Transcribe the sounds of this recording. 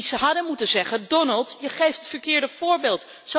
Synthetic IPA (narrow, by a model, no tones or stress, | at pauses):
səɦɑdənmutənzɛχəndɔnəlˠtjəχejfttfəɹkɪːɹdəv̥ʊːɹbeːlˠt | so